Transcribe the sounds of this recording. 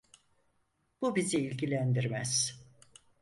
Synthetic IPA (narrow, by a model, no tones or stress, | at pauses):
b̥ubiziilʲɟilʲænd̪iɾmæz̥